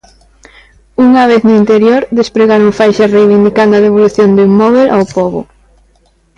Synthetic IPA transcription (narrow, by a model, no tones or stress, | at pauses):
uŋaβ̞eθnʊint̪eɾjoɾd̪espɾeɣaɾoŋfajʃarejβind̪ikand̪oaðeβoluθjond̪uŋmɔβ̞elʔawpoβʊ̰